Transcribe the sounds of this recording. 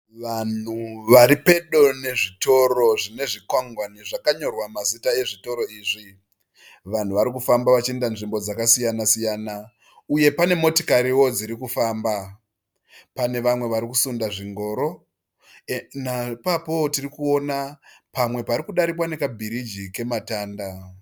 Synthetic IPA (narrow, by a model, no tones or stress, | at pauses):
ʋan̤uʋaɾipe̞ɗo̞ne̞ʐito̞ɾo̞ʐine̞ʐikwaŋɡwaniʐakaɲo̞rwamazitae̞ʐito̞ɾo̞iːʐi | ʋan̤uʋaɾikufambaʋat͡ʃiendanʐimbo̞d͡zakasijanasijaːna | uje̞pane̞mo̞tokaɾiwo̞d͡ziɾikufaːmba | pane̞ʋamwe̞ʋaɾikusundaʐiŋɡo̞ːɾo̞ | napapo̞tirikuo̞napamwe̞paɾikuɗaɾik̬wane̞kabʱiɾid͡ʒike̞mataːnda